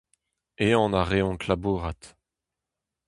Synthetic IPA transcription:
eɑ̃naʁeɔ̃kʰlabuːʁat̪

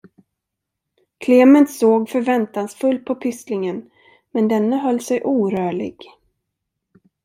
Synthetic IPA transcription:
kʰleːmənt̪soːɡfœɾvɛnt̪aŋsfɵlt̪̚pʰɔpʰʏslɪŋən | mɛnd̪ɛnːəɦœlːsɛjʔuːɾœːɭɪ̰ɡ

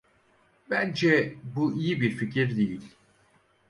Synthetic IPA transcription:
bænd͡ʒɛbuʔijibiɾficiɾd̪ijilʲ

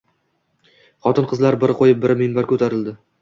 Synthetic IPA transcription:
χɒt̪ʰɪnqʰɨzlaɾbɪɾqʰojɪp̚bɪɾmɪnbaɾkʰɵt̪ʰaɾɪld̪ɪ

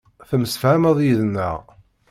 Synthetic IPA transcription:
θəmsfʕaməðˤjiðənːə̰ʁ

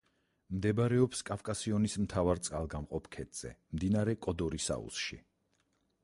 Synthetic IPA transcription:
md̪ɛbɾɛɔpskʼafkʼasiɔnismt̪ʰavaɾt̪sʼqʼalˠɡamqʼɔpʰkʰɛt̪ʼz̥ɛ̰md̪inaɾɛkʼɔd̪ɔɾisa̰ṵsʃḭ

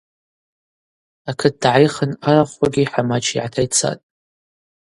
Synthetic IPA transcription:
akʰɨt̚d̥ʕajχənaɾaχaɡʲiħamat͡ʃʰiʕatʰajt͡sʰa̰tʼ

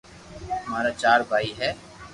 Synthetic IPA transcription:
ʊmaːɾat͡ʃaːɾbʱaːiɦɛː

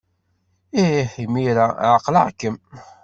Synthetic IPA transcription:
iħimiɾaʕəqləʕkːəm

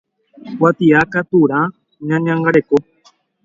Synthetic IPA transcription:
kwat̪iakat̪uɾã | ɲãɲãŋɡaɾeko

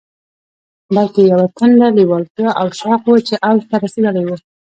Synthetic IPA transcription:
balkejawat̪ʰənɖaliwɑlt̪aʔawʃɑqwət͡ʃeʔawzt̪aɾased̪əlajwə

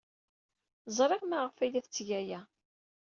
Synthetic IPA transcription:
zˤɾˤeʁmaʁəfælæθət͡sːʝæjæ

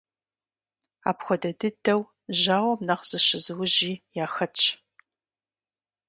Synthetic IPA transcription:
a̰ːpxʷɔdɐdɨdɐw | ʑaːwɐmnɐqz̥ɨʃɪzɨwʊʒiːjaːxɐt͡ʃʰʼ

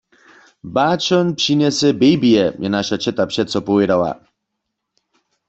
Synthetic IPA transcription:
baːt͡ʃɔnpʂiɲɛsɛbɛjbijɛjɛnaʃat͡ʃɛt̪apʂɛt̪t͡sɔpovjɛdawa̰

